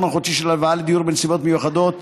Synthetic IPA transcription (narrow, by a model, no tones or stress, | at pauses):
maχod̪ʃiʃelalvaaled̪ijuʁbensibo̞t̪mejuχad̪o̞t̪